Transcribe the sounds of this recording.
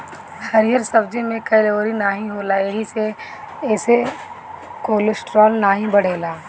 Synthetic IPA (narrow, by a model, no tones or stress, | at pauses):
hɐɾijəɾsɐbd͡ʒemẽkɐɪloːɾinaːɦĩɦoːlaeɦise | ɛːse | koːlɪsʈɾɔːlnaːɦĩbɐɽ̤eːlaː